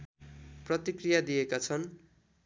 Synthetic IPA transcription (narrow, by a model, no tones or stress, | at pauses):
prʌt̪ikrijad̪ijekat͡sʰʌn